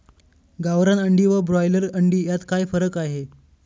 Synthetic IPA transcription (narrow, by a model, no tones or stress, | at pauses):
ɡaʋɾanəɳɖiːʋəbɾɔjləɾəɳɖiːjat̪kajfəɾəkaɦe